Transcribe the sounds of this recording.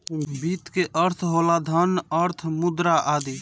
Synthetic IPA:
bit̪keʔəɾt̪ʰɦolad̪ʱənəɾt̪ʰmʊd̪ɾaʔaːd̪iː

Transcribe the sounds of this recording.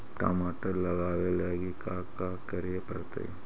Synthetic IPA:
ʈa̰ːmaːʈɐɾlɐɡaːʋelaːɡikaːkːaːkɐɾijɐpɐɾt̪a̰i

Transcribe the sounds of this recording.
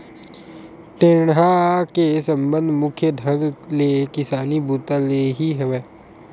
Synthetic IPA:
ʈɪɳɦakesə̃mbə̃nd̪ʱmʊkʰjəd̪ʱəɡlekɪsaːnibuːt̪aleɦiɦɛʋeː

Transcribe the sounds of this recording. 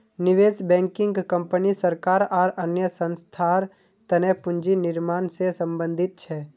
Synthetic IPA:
nɪʋeːsbɛ̃ːŋkɪ̃ŋɡkə̃mpənisəɾkaːɾaːɾənjəsə̃nst̪ʰaːɾ | t̪ənɛːpʊ̃ɲd͡ʒinɪɾmaːnsesə̃mbə̃nd̪ʱɪt̪̚t͡ʃʰɛː

